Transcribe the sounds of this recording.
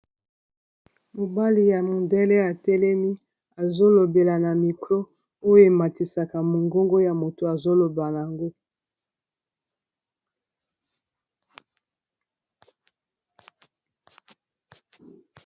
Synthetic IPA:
mo˨ba˦li˨ja˨mo˨nde˦lɛ˦a˨tɛ˦lɛ˦mi˦ | a˨zo˦lo˨be˨la˨na˨mi˨kʁo˦ | o˦jo˦e˨ma˨ti˨sa˨ka˨mo˨ŋɡo˦ŋɡo˦ja˨mo˨to˨a˨zo˦lo˨ba˨n˨a˨ŋɡo˦

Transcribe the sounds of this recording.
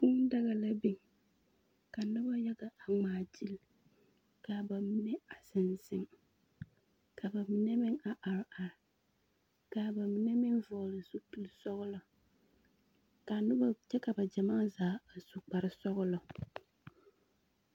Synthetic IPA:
ku˦n˦da˦ɣa˨la˦bi˦ŋ | ka˨nʊ˦ba˦jɛ˦ɡa˨a˨ŋ͡maː˨d͡ʒi˦l | ka˨ba˨mi˦nɛ˦a˨sɪ˨nzɪ˦ŋ | ka˨ba˨mi˨nɛ˦mɪ˦ŋa˨ʔa˨ɾa˨ɾɪ˨ | ka˨ba˨mi˨nɛ˦mɪ˦ŋvɔ˨lɪ˨su˦pi˨lsɔ˦ɣʊ˦lɔ˨ | ka˨nʊ˦ba˦t͡ʃɛ˦ka˨ba˨d͡ʒa˨maː˦zaː˨˦a˨su˨k͡pa˨ɾɪ˦sɔ˦ɣʊ˦lɔ˨

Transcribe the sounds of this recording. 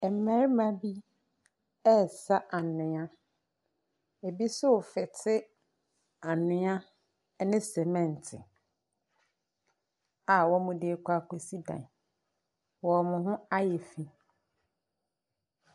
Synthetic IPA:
ɛ˨m˨mɛ̃˨˦ɾmã˨bi˦ | ɛ˦˨sa˦ʔa˨nɪ̃˨ã˦ | e˨bi˦sʊ˦˨fɛ˨tʰɪ˦ | a˨nʊ̃˦ã˦ | nɪ̃˦sɛ˨mɛ̃˦˨n˨tʰɪ̰˨ | a˨wɔ˦mʊ̃˨dɪ˦kʰʷa˦˨kʰo˨si˦dã̰˨n˨ | wɔ˨mʊ̃˨ɦʊ̃˦a˦jɛ˨fĩ˦

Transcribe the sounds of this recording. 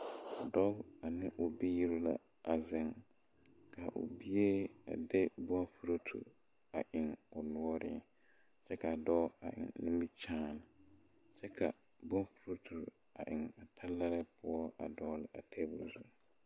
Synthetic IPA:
a˨dɔ˦ | a˨nɪ̃˦ʔʊ˨bi˦ji˦ɾo˦la̰˨ | a˨zɪ̃˦ŋ | kʰa˨ʔʊ̰˨bi˦e˦ | a̰˨dɛ˦bɔ˦fu˦ɾo˦tʰṵ˨ | a˨ʔɪ̃˨ŋ | ʊ˨lʊ˦ɔ˦ɾɪ̰˨ɛ˨ | t͡ʃɛ˦kʰa˨a˨dɔ˦a̰˨ʔɪ̰˨ŋnɪ̃˦bi˦t͡ʃʰãː˦n˨ | t͡ʃɛ˦kʰa˨ | bɔ̃˦fu˦ɾo˦tʰu˨ɾ | a̰˨ʔɪ̃˨ŋa˨tʰa˦lːa˦ɾɛ˦pʰʊ˦ɔ˦a˨dɔ˦lɪ˨ʔa˨tʰɛ˦bu˨ɾzu˨

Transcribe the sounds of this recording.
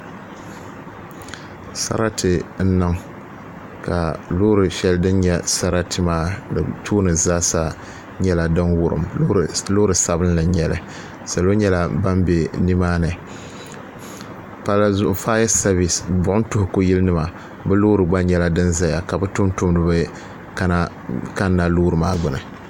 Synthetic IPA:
sa̰˦ɾa˦tʰɨ˨n̩˦nɨ˦ŋ | ka̰˨lo˦ɾɨ˨ʃɛ˦ldɨ˦nɲɛ˦sa˦ɾa˦tʰɨ˦maː˦dɨ˨tʰuː˦nɨ˨zaː˦sa˦ | ɲɛ˦la˨dɨ˦nwʊ˦ɾɨ̰˨mlo˦ɾɨ˨sa˦bɨ˦n˦lɨ˨ɲɛ˨lɨ̰˨ | sa˨lo˦ɲɛ˦la˨ba˦mbe˨ni˦maː˦nɨ˨ | pa˦lzfaː˦jɛ˦sa˦bi˨sbʊ˨ʔʊ˦n˦tʊ˦hʊ˨ku˦ji˦lnɨ˦ma˨ | bɛ˦lo˦ɾɨ˨ɡ͡ba˦ɲɛ˦la˦dɨ˦nza˦ja˨ka˨bɛ˦tʊ˦m˦tʊ˦mdɨ˨bɨ˦ | ka˦na˦ | ka˦nːa˦loː˦ɾɨ˨maː˦ɡ͡bʊ˨nɨ˨

